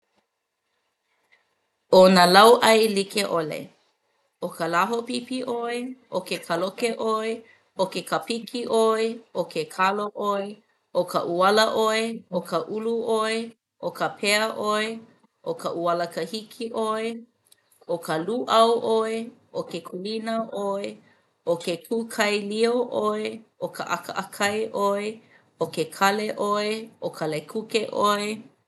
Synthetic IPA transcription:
onalɐwʔɐjlikeʔolḛ | okəlaɦopipiʔoeʔokekʰalokeʔoe | okekʰapikʰiʔoeokʰekʰaloʔoe | ʔokʰə̰ʔuɐləʔoeokʰəʔuluʔoe | ʔokəpʰeɐʔoe | ʔokəʔuɐləkɐhikʰiʔoe | okəluʔɐwʔoeokekʰulinɐʔoe | ʔokekʰukʰɐjlioʔoeʔokʰəʔɐkəʔɐkʰɐjʔoe | okekʰɐleʔoeokʰɐlekʰukeʔoe

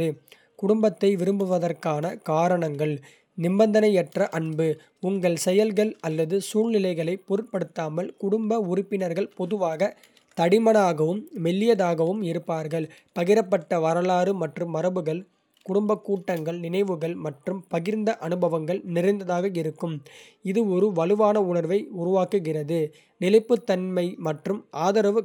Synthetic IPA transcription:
ɯ | kʊɽʊmbɐt̪ːɐɪʋɪɾɯmbɯʋɐðɐrkaːnɐkaːɾɐɳɐŋɡɐɭ | nɪmbɐnd̪ɐnɐɪɛʈrɐʔɐɳbɯ | ʊŋɡɐɭsɛjɐlɣɐɭɐlːɐðɯsuːɭnɪlɐɪɣɐɭɐɪpːɔɾɪʈ̚pɐɽɯt̪ːaːmɐɭkʊɽʊmbɐʊɾɪpːɪnɐɾɣɐɭpɔðɯʋaːɣɐ | t̪ɐɽɪmɐnaːɣɐʋɯmːɛlːɪjɐðaːɣɐʋɯmɪɾɯpːaːɾɣɐɭpɐɣɪɾɐpːɐʈːɐʋɐɾɐlaːɾɯmɐʈrɯmːɐɾɐbɯɣɐɭ | kʊɽʊmbɐkːuːʈːɐŋɡɐɭnɪnɐɪʋɯɣɐɭmɐʈrɯmpɐɣɪɾnd̪ɐʔɐnɯbɐʋɐŋɡɐɭnɪɾɐɪnd̪ɐðaːɣɐɪɾɯkːɯm | ɪðɯɔɾɯʋɐlɯʋaːnɐʊnɐɾʋɐɪʊɾʊʋaːkɯɣɪrɐðɯ | nɪlɐɪpːɯt̪ːɐnmɐɪmɐʈrɯmʔaːðɐɾɐʋɯ

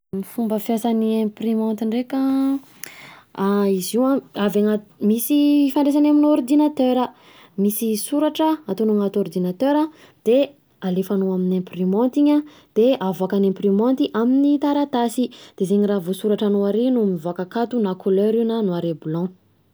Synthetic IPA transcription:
mifumbəfjasaniɛ̃primɔ̃nt̪iɳrekə | aiziwãavaŋat̪misifaɳɖ͡ʐes̬anaminɔrd̪inat̪øɾə | misisuɾaʈ͡ʂəat̪onaŋat̪ɔrd̪inat̪øɾa | d̪̥e | alefanoaminẽmprimɔ̃nt̪iɲa | d̪̥eavakanẽmprimɔ̃nt̪iʔaminit̪aɾat̪asid̪̥ezeɲiravosuɾaʈ͡ʂanoaɾinumivakakat̪unakʰoløɾinənuaɾebulɔ̃

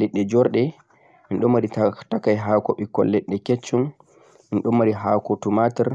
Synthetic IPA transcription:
lɛɗːɛd͡ʒɔɾɗɛ | minɗɔmːaɾitakajɦaːkɔɓikɔ̰lːɛɗːɛket͡ʃːɔn | minɗɔmːaɾiɦaːkɔtumatɛɾ

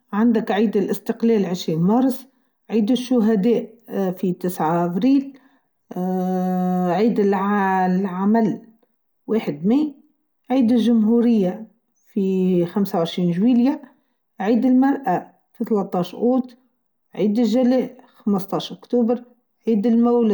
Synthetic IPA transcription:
ʕand̪ɪkʕiːd̪ɪlʔɪst̪əqlɛːlʕɪʃɾiːnmɑɾˤsˤ | ʕiːd̪ɪʃːʊɦæd̪ɛːʔfit̪ɪsʕaʔæbɾiːl | ʕiːd̪ɪlʕlʕamæl | weːħəd̪miː | ʕiːd̪ɪlʒʊmɦuɾɪjːa | fixamsawʕɪʃɾiːnʒwiːlja | ʕiːd̪ɪlmɑɾˤʔa | fiθlɑt̪ˤːɑːʃʔuːt̪ | ʕiːd̪ɪlʒælɛːʔxaməst̪ˤɑːʃʔʊkt̪uːbəɾ | ʕiːd̪ɪlmæwl

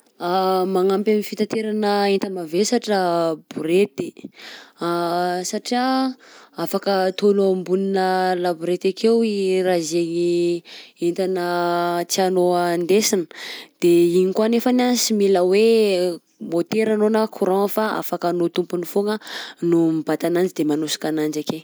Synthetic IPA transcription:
amaŋampamifit̪at̪eɾanəent̪amavesaʈ͡ʂabuɾet̪e̥ | saʈ͡ʂia | afakət̪oluambuninəlabuɾet̪akewirazeɲi | ent̪anət͡sianoand̪esinə̥d̪̥eiɲikwanefanasimiləwe | mot̪eɾanonəkʰuɾõŋfaa̰fakanot̪umpunifoŋənumibat̪anand͡ʒid̪emanusi̥kanand͡ʒake

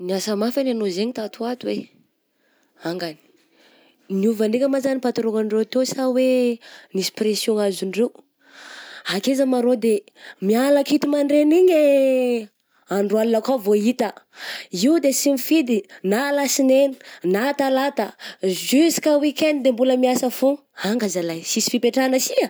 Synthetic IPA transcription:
niasəmafananozeɲit̪at̪uat̪we | aŋɡani̥ | niuvaɳɖ͡ʐekʲəmazanipat̪iɾoŋaɳɖ͡ʐewt̪esawenisi̥presjoŋaziɳɖ͡ʐew | hakezəmaɾod̪e | mialakit̪umaɳɖ͡ʐeniɲe | aɳɖ͡ʐualinakavoit̪ə | iud̪esimifid̪inalasineni̥nat̪alat̪əzysi̥kəwikend̪id̪embuləmiasəfu | aŋɡazalajsisi̥fipeʈ͡ʂanəsia

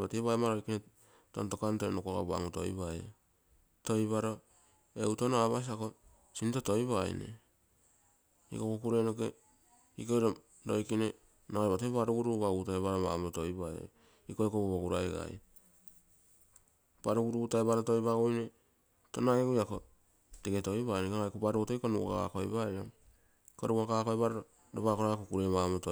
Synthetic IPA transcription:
bateβaemaɾo̞jkine | tonto̞kantonokoɡa̰ba̰ŋuto̰jβajo̰ | to̞jβaɾo̞ | e̞uto̞noaβas̬iako̞ | sintoto̞jβaj̰nḛ | ḭkokukuɾe̞noke | iko̞jɾo | ɾo̞̰jkine | naeβateβaɾuɡuɾuβaɡutaeβaɾoβa̰mɾoto̞jβaj̰ | ikoekoboβoɡuɾaeɡa̰j | b̥aɾuɡuɾutaeβaɾoto̞jβaɡojne | to̞naeɡujako | teɡeto̞jβajnekonajkobaɾuotoikonuka̰a̰kojbajɾa | koɾuakakojβaɾoo | ɾoβakoɾajakokuɾe̞mamoto

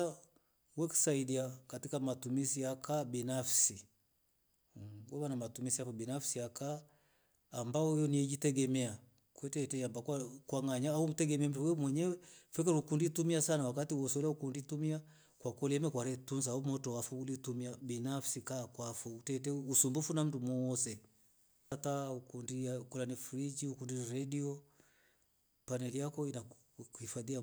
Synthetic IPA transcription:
a | wɛki̥saidiakatikamatumisijakabinafsi | wɔβanamatumisiafɔbinafsiakaː | mbaɔjɔniɛd͡ʒitɛɡɛmɛa | kwɛtɛtɛjambakakwaŋɡaɲaum̩tɛɡɛmɛm̩tuwɛmwɛɲɛwɛfɛk̬ɛɾukunditumiasanawakatiwɔsɛulaukunditumia | kwakɔliɛmɛkwaɾɛtunzaumɔtɔwafuulitumiabinafsikakwafuutɛt̬ɛusumbufunam̩dumɔsɛ | taukundiakulanɛfɾid͡ʒiukundiɾɛdiɔ | panɛlijakɔina | uhifaðia

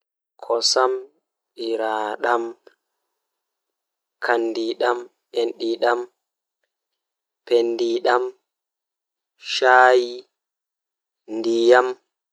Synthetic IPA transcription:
kʰɔsam | ɓiɾaːɗam | kʰandiɗam | enɗiɗam | pendiɗam | ʃaːji | ndijam

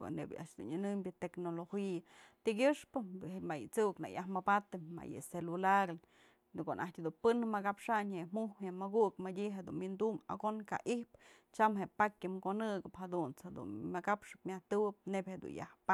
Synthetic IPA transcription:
ḛnḛbʲa̰ʔʃd̪ṵnɨnɨmbʲɨt̪eknoloxijat̪iɡʲɨʂpɨmajɨ̰t͡sukna̰jahmabat̪ɨma̰jɨ̰selulaɾ | konʔahtʲhd̪unpɨnmɨkapʂaɲhemuhheʔmɨɡukmadʲiɦed̪ṵnwind̪uma̰ɡonka̰ʔihp | t͡ʃamɦeʔpakʲɨmkonɨɡɨphad̪unt͡shed̪ṵnmakapʂɨ̥p̚mʲaht̪ɨwɨp̚nebʲhed̪ṵnja̰hpa

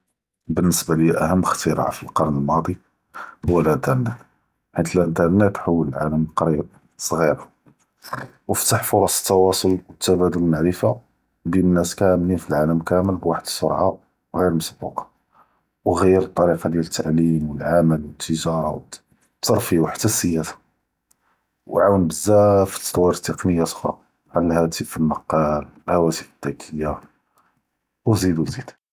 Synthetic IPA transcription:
bənːəsbalijæʔæɦəmːxt̪iɾɑ̰ʕa̰filqɑɾˤnəlmɑd̪ˤi | hʊwːælʔənt̪əɾˤnæt̪ | ħit̪əlʔənt̪ɑɾˤnæt̪ħawːələlʕa̰ləməlqɑɾib̚ | sˤɣiɾɑ | wəft̪aħfoɾˤɑsə̥t̪ːɑwɑsˤolwət̪ːæbæd̪əlnaʕɾəfa | binnːæskææmninfilʕaləmkæməlbwaħəd̪ə̥sˤo̰ɾˤʕa | wɣiɾməsbɑ̰q | wɣəjːəɾət̪ˤːɑɾiqɑd̪jælət̪ʰːaʕlimwəlʕaməlwət̪ʰːəʒɑɾɑ̰ | t̪ːɑɾˤfiwaħət̪əsəjæt̪ḁ | wʕawənbəzːæfə̥t̪ːt̪ːˤwːɑɾt̪ːeqnəjat̪xɑ̰ | ʕanəlhæt̪ifəlməqːɑləlhæwæt̪əfəd̪̥ːækʰəjːa | wzid̪wzid̪

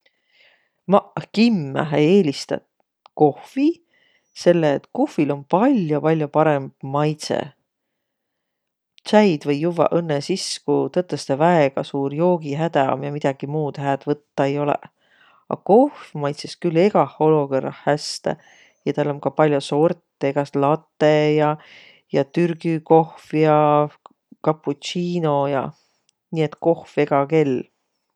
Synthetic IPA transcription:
mɑkimːæ̰eeːlist̪ɑ̰t̪ | ko̞hvi | se̞lːeːt̪kuhːilo̞npɑlʲjopɑlʲjopɑɾe̞mb̥mɑjt̪sḛ | t̪sæjd̪vɤjːuvɑ̰ʔɤnːesiskut̪ɤt̪ːˑest̪ɑvæeɡ̥ɑsuːɾjo̞ːɡiɦæd̪̥æo̰mjɑmid̪̥ɑɡ̥imuːd̪̥hæːd̪̥vɤt̪ːɑejo̞lḛ | ɑ̰ko̞hfmɑjt̪seskylːe̞ɡ̥ɑho̞lo̞ɡ̥orːɑ̰hæst̪æ̰ | jɑt̪ælːo̞mkɑpɑlʲjoso̞rt̪ːˑeɡ̥ɑslɑt̪ːˑejɑ | jɑt̪yrɡ̥yko̞hfjɑ | kɑpːˑutt͡ʃiːnojɑ̰ | niːe̞t̪ːˑko̞hfe̞ɡ̥ɑke̞lː

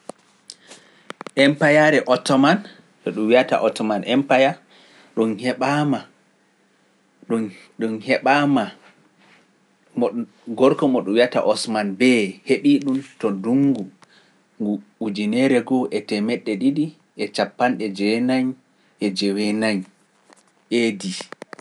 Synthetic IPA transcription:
ʔɛmpajaɾɛʔɔtɔman | ɗɔɗumwiata̰ʔɔtɔmanʔɛmpaja | ɗunhɛɓama | ɗun | ɗunhɛɓama | ɔ | ɡɔɾkɔmɔɗuwiata̰ʔɔsmanbɛheɗiɗuntɔduŋɡu | ŋɡuud͡ʒinɛɾɛɡɔʔɛtɛmɛɗːɛɗiɗi | ʔɛt͡ʃapːanɗɛd͡ʒɛnaɲ | ʔɛd͡ʒɛwɛnaɲ | ʔedi

